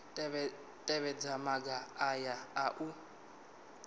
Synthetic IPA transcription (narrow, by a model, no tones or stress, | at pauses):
tʼɛβɛd͡zamaɡaajaaʔu